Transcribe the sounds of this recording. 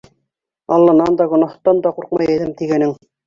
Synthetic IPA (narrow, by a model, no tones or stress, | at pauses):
ɑlˠːɑnɑnd̪ɑɡŏnɑht̪ɑnd̪ɑquɾqmɑjæ̆ðɘmt̪iɡænɘŋ